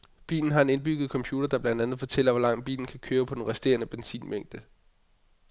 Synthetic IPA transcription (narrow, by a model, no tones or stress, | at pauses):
b̥ḭːln̩ɦɑ̈e̝ne̝nb̥yɡ̥ð̩ˠkʰɒ̽mpʰjuːd̥ɐd̥ɑ̈b̥lænd̥ænð̩ˠfɒ̽t͡sʰel̰ɐʋɒlɑ̈ŋ̰d̥̚b̥ḭːln̩kʰækʰøːɐpʰɒ̽d̥enʁɛsd̥e̝̰ːɐnəb̥ensḭːnmeŋ̰d̥ə